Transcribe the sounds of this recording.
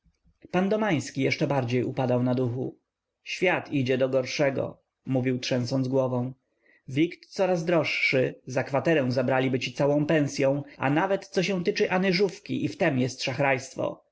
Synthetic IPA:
pand̪ɔmaj̃skʲijɛʂt͡ʂɛbaɾd͡ʑejupad̪awnad̪uxṵ | ɕfʲjat̪id͡ʑɛd̪ɔɡɔɾʂɛɡɔ̰ | muvʲiwtʂɛ̃ñsɔnzɡwɔvɔ̃w̃ | vʲikt̪sɔɾazd̪ɾɔʂːɘzakfat̪ɛɾɛw̃zabɾalʲibɘt͡ɕit̪sawɔ̃w̃pɛ̃w̃sʲjɔ̃w̃a̰navɛt̪sɔɕɛ̃w̃t̪ɘt͡ʂɘʔanɘʐufkʲḭʔift̪ɛmjɛst̪ʂaxɾajst̪fɔ̰

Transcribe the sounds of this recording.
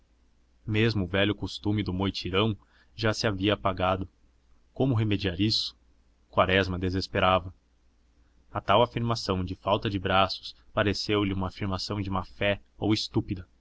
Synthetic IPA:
mezmʊːvɛʎʊkost̪umɪd̪ʊmojt͡ʃiɾɐ̃w̃ | ʒasɪaviɐpaɡad̪ʊ | kõmʊɦemed͡ʒiaɾisʊ̥ | kwaɾɛzmɐd̪ezespeɾavɐ | ɐt̪awafiɾmasɐ̃w̃d͡ʒɪfawt̪ɐd͡ʒɪbɾasʊ̥s | paɾesewlɪũmɐːfiɾmasɐ̃w̃d͡ʒɪumɐfɛowɪst̪upid̪ɐ

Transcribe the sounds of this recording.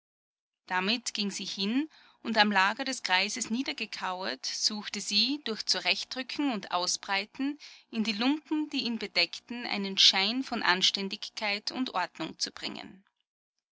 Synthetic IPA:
d̥amɪtɡ̥ɪŋziːhɪn | ʊntamlaːɡɐɾɛskʁ̥aɪzəsniːdɐɡəkʰaʊɐtz̥uːxtəziːd̥ʊɐçt͡suʁɛçtd̥ʁʏkʰŋ̩ʊntʔa̰ʊsb̥ʁaɪtn̩ʔɪndiːlʊmpm̩d̥iːiːnbədɛktn̩ʔa̰ɪnənʃaɪnfɔnʔa̰nʃtɛndɪçkʰːaɪtʰʊ̰ntʔɔɐdnʊŋt͡sub̥ʁɪ̰ŋə̰n

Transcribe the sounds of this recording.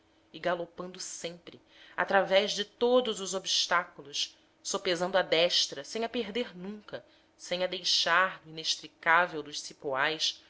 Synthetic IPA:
ɪɡalopɐ̃nd̪ʊsẽmpɾɪ | a̰t̪ɾavɛʒd͡ʒɪt̪od̪ʊzʊzobiʃt̪akulʊʃ | sopezɐ̃nd̪ʊad̪ɛʃt̪ɾɐsẽj̃ɲ̃ɐpeɦd̪eɾnũŋkɐ | sẽj̃ɐd̪ejʃaɾnʊineʃt̪ɾikavewd̪ʊʃsipoajs

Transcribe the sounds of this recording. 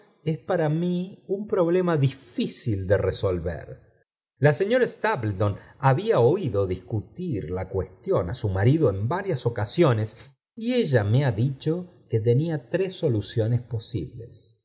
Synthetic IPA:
espaɾamiumpɾo̞β̞le̞maðifisild̪ereso̞lβḛɾ | lase̞ɲo̞ɾaest̪aβlt̪onaβiao̞iðo̞ðiskut̪iɾlakwe̞st̪jo̞na̰sumaɾiðoembaɾjaso̞kasjo̞nes | ieʒameaðit͡ʃoke̞t̪e̞niat̪ɾesːo̞lusjo̞nespo̞sḭβles

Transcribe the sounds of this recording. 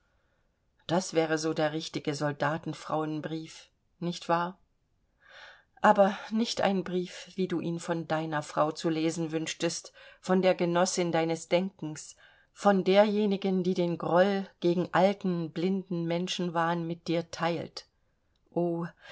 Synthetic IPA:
d̥asv̥ɛːʁəzoːdeːɐʁɪçtɪɡəzɔldaːtn̩fʁ̥a̰ʊənbʁiːf | nɪçtv̥aːɐ | ʔaːbɐnɪçtʔa̰ɪnbʁiːfv̥iːduːʔiːnfɔndaɪnɐfʁ̥aʊt͡suleːzn̩vʏnʃtəstfɔndeːɐɡənɔsɪndaɪnəsd̥ɛŋkŋ̩s | fɔndeːɐjeːnɪɡəndiːdeːnɡʁɔlɡ̥eːɡŋ̩ʔaltn̩blɪndn̩mɛnʃn̩vaːʁənmɪt̚d̥iːɐtʰaɪlt | ʔoː

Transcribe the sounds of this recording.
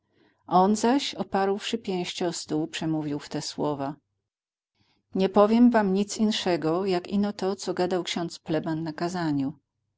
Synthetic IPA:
ʔɔnzaɕɔpaɾwʂɘpʲjɛ̃w̃ɕt͡ɕɛɔst̪uwpʂɛmuvʲiwft̪ɛswɔva | ɲɛpɔvʲjɛmvamɲit̪sinʂɛɡɔjakḭnɔt̪ɔt̪sɔɡad̪awkɕɔ̃nt̪splɛbanːakazaɲu

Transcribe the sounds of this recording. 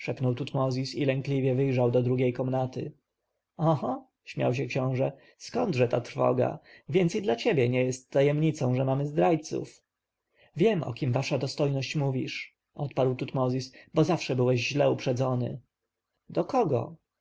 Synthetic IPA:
ʂɛpnɔwt̪ut̪mɔzʲisilɛŋklʲivʲjɛvɘjʐawd̪ɔd̪ɾuɡʲejkɔmnat̪ɘ | ɔha | ɕmʲja̰wɕ̬ɛkɕɔ̃w̃ʐɛ | skɔnd̪ʐɛt̪a̰t̪ɾ̥fɔ̰ɡa̰vʲjɛnt̪sid̪lat͡ɕebʲjɛɲɛjɛst̪ːajɛmɲit̪sɔ̃w̃ʐɛmamɘzd̪ɾajt̪sṵf | vʲjɛmɔ̰kʲimvaʂad̪ɔst̪ɔjnɔɕt͡ɕmuvʲḭʂ | ʔɔt̪paɾwt̪ut̪mɔzʲisbɔzafʂɛbɘwɛʑʑlɛupʂɛd̪zɔnɘ̰ | d̪ɔkɔɡɔ̰

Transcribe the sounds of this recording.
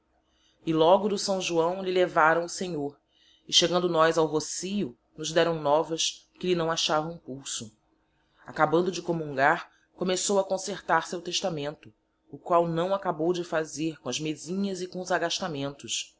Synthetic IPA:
ɪlɔɡʊd̪ʊsɐ̃w̃ʒuɐ̃w̃lɪlevaɾɐ̃w̃ʊseɲoɾ | ɪʃeɡɐ̃nd̪ʊnɔjzawɦosijʊ | nʊzd̪ɛɾɐ̃w̃nɔvɐskɪlɪnɐ̃w̃aʃavɐ̃w̃ũpuwsʊ | akabɐ̃nd̪ʊd͡ʒɪkomũŋɡaɾ | komesowɐkõseɾt̪aɾsewt̪eʃt̪amẽnt̪ʊː | kwawnɐ̃w̃akabowd͡ʒɪfazeɾkõɐzmezĩɲɐzɪkõʊzaɡaʃt̪amẽnt̪ʊʃ

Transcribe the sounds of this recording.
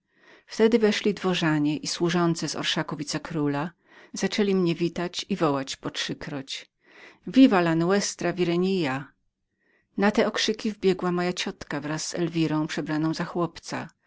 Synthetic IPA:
ft̪ɛd̪ɘvɛʂlʲid̪vɔʐaɲɛʔiswuʐɔnt̪sɛzɔ̰ɾʂakuvʲit̪sɛkɾula | z̥at͡ʂɛlʲimɲɛvʲit̪at͡ɕivɔwat͡ɕpɔtʂɘkɾɔt͡ɕ | vʲivalanwɛst̪ɾavʲiɾɛɲija | nat̪ɛɔkʂɘkʲivbʲjɛɡwamɔjat͡ɕɔt̪kavɾasːɛ̰lvʲiɾɔ̃w̃pʂɛbɾanɔ̃w̃zaxwɔpt̪sa̰

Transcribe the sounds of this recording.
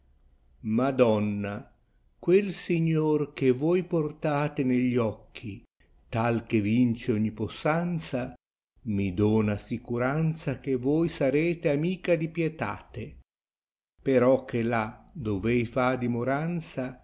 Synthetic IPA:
mad̪ɔnːa | kwelsiɲːorkevɔjport̪aːt̪eneʎːɔkʰːi | t̪alkevint͡ʃeɔɲːiposːant̪sa | mid̪ɔːnasikuɾant̪sakevɔjsaɾeːt̪eamiːkad̪ipjɛt̪a̰ːt̪e | peɾɔkʰːelad̪ovɛjfad̪imoɾant̪sa

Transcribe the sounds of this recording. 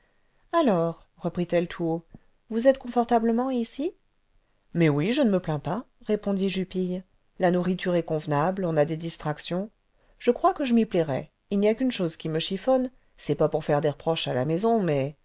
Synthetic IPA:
alɔʁ | ʁəpχit̪ɛlt̪ʰuo | vuzɛt̪kɔ̃fɔʁt̪abləmɑ̃isi | mɛwiʒənəməplɛ̃pa | ʁepɔ̃d̪iʒypij | lanuʁit̪yʁɛkɔ̃vnablɔ̃nad̪ed̪ist̪χaksjɔ̃ | ʒ̥əkχwakəʒəmiplɛʁɛ̰ | ilnijakynʃozkʲiməʃifɔn | sɛpapuʁfɛʁd̪eʁəpχɔʃalamɛzɔ̃mɛ

